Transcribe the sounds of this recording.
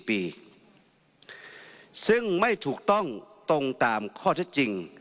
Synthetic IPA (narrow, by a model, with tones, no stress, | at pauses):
piː˨˧ | sɯ˥˩ŋma˥˩jt̪ʰuː˨˩k̚t̪ɔ˥˩ŋt̪o˧ŋt̪aː˨mkʰɔː˥˩e˦˥˩t̪t͡ɕi˧ŋ